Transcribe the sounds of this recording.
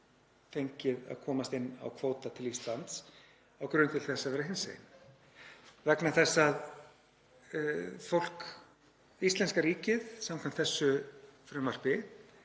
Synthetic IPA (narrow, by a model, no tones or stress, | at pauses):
θejɲcɪða̰ðkʰɔːmast̪ɪnːa̰wkʰvoːwt̪at̪ʰɪlist̪lant̪s | awkɾʏnt̪ʰɪlθɛsːavɛɾaɦɪnsḛːjn | vɛknaθɛsːað | fowl̥k | ist̪lɛnskaɾiːcɪðsamkʰvam̥t̪θɛsːʏfɾʏmar̥pɪ